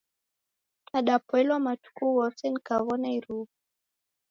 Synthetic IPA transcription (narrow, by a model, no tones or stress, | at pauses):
aɗapɔɛlwamatu̥kuwɔtɛnikaβɔnaiɾu